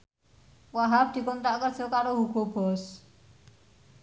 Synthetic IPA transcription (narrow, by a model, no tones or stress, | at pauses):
waɦab̚d̪̥i̤kont̪aʔkə̥d͡ʒokaɾoɦuɡobɔs